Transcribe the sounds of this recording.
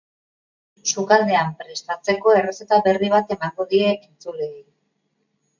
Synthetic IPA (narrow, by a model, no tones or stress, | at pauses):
sukald̪e̞ampɾe̞st̪at͡se̞ko̞e̞rese̞t̪aβe̞riβ̞at̪e̞maŋɡo̞ðieint͡sulei